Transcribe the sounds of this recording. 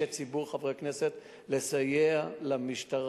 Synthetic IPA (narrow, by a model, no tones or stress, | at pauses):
et͡sibuʁχavʁekneset̪ | le̞sajealamiʃt̪aʁ